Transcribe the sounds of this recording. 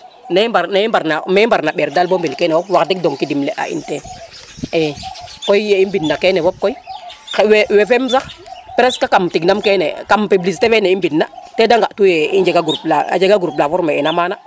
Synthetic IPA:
nebaɾnembaɾnamembaɾnaɓeɾdalbombilkenewopwakdik̚doŋkidimleʔa̰ḭnte | ekoijeimbitnːakenewop̚koikwwefems̬akpɾeskakamtiɡnamkenḛkampiblis̬tefeneimbitnːatedaŋɡatujeind͡ʒeɡaɡuɾlaa̰d͡ʒeɡaɡuɾplafuɾmeenamana

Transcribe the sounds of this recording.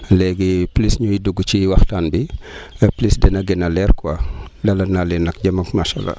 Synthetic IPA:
lɛɡiplisɲujiduɡut͡ʃiwɐxtaːnbiplisdɛnɐɡɛnɐlɛɾkwadɐlɐnalɛnɐk̚ɟɐmɐkmɐʃɐ̰lɐ̰

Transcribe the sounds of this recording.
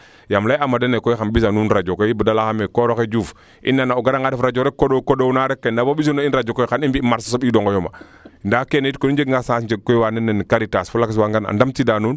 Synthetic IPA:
jamlajamadenekojxanbis̬anuːnɾad͡ʒokoibudalaxamekoɾoxed͡ʒuːf | ʔḭnːanːaoɡaɾaŋɡadifɾad͡ʒoɾekːodokodownaɾekːandabobis̬onoinɾad͡ʒokojixanimbimaɾsas̬obidɔŋɡojoma̰ | ndakenejit̚konind͡ʒeɡŋɡasãsd͡ʒeɡ̚kojwanenːenkaɾitasfulakas̬waŋɡana̰ndamtidanuːn

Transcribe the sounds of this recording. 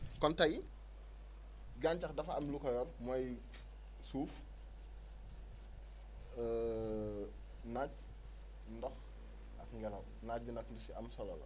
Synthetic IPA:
kɔntɐj | ɡaːncɐxdɐfɐɐmlukɐjɔlmɔj | suːf | nac̚ | ndɔx | ɐkŋɡɛlɔw | naːc̚binɐklusiʔɐmsɔlɔlɐ̰

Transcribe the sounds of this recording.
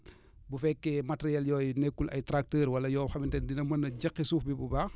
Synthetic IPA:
bufɛkːɛmɐtɾjɛljɔːjnɛkːulʔɐ̰jtɾak̚təːɾwɐlːɐjɔːxɐmintɛndinɐmɐnːɐɟɐqːisuːfbibubaːx

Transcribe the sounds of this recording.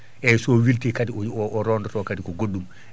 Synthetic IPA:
ʔɛsɔwiltikatiɔʔɔɾɔndɔtɔkatikɔɡoɗːum

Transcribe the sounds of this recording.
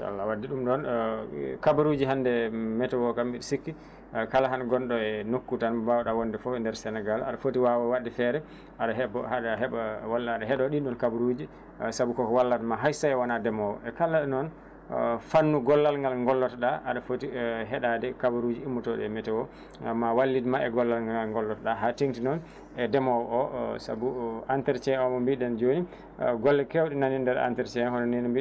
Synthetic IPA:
ʃa̰a̰lːawadːiɗumɗɔn | kabaɾud͡ʒiɦandɛmɛtɛwɔkamːiɗsikːi | kalaɦanɡɔnɗɔɛnokːutanbawɗawondɛfɔɛndɛɾsɛnɛɡala̰ɗafotiwawɔwadːifɛɾɛ | ʔaɗaɛbaɗaɦɛbawalːaːɗaɦɛɗɔɗinɗɔnkabaɾud͡ʒi | sabukɔkɔwalːadmaɦajsaɛwanadɛmɔwɔ̰ɛkalːaɗɛnɔn | fanːuɡɔlːalŋɡalŋɡɔlːɔtɔɗaʔaɗafotiɦɛɗadɛkabuɾud͡ʒiimːutɔɗɛmɛtɛwɔ | mawalːidmaɛ̰ɡɔlːallŋɡɔlːɔtɔɗaɦatiŋtinɔn | ɛdɛmɔwɔɔsa̰buʔantɛɾt͡ʃɛɔmɔmbiɗand͡ʒoni | ɡɔlːɛkɛwɗinanindɛɾa̰ntɛɾt͡ʃɛɦɔnɔnɛnɔmbi

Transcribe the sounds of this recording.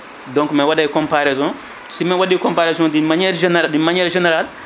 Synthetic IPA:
d̪ɔ̃ŋkmɛwaɗajkɔ̃mpaɾezɔ̃ | simɛwadikɔ̃mpaɾezɔ̃d̪inmanɛɾʒɛneɾdinmanɛɾʒɛneɾal

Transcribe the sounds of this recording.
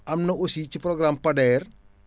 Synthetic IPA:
ɐmnɐosit͡ʃipɾɔɡrampɐdɛr

